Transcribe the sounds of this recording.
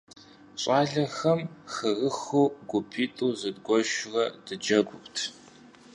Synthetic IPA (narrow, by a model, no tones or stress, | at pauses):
ɕʼaːɮɐxɐmxɨrɨxoːɡʷʊpʰiːtʼuːzɨdɡʷɔʃrɐdɨd͡ʒɐɡʷʊptʰ